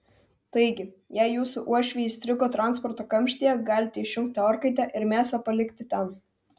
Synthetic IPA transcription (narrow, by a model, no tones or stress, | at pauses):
t̪ɐɪɡʲɪ | jɛɪjuːsʊʔuɔʃʲʋʲɛjɪsʲt̪ʲɾʲɪkoːt̪ɾɑnspɔɾt̪oːkɐmʲʃʲt̪ʲijɛɡɑːlʲɪt̪ʲiʃʲʊŋk̚t̪ʲɪɔɾkɐɪt̪ʲɛʔɪɾmʲæːsɐpɐlʲɪkt̪ʲɪt̪ʲɛn